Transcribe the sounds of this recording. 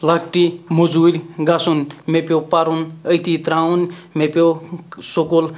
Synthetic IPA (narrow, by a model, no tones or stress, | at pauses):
lak̚ʈimod͡zuɾʲɡasunmepjopaɾunəjt̪it̪ɾaunmeposokol